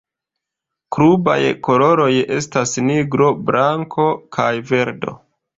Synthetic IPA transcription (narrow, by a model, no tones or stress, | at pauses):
kɾuba̰jko̞lo̞ɾo̞je̞stasniɡɾo̞bɾʔaŋkʰo̞kʰajve̞ɾdo̞̰